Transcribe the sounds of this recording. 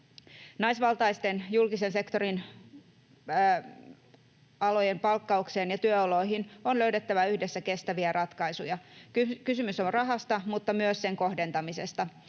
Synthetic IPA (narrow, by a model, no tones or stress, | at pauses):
nɑjsʋɑlt̪ɑjst̪e̞njulkise̞nse̞kt̪o̞ɾin | ɑlo̞jempɑlkːɑukse̞ːnjɑt̪yøolo̞iɦino̞nløɥde̞t̪ːæʋæyhde̞sːæke̞st̪æʋiærɑt̪kɑjsujɑkkysymysonrɑɦɑst̪ɑmut̪ːɑmyøsse̞ŋko̞hde̞nt̪ɑmise̞̰st̪ɑ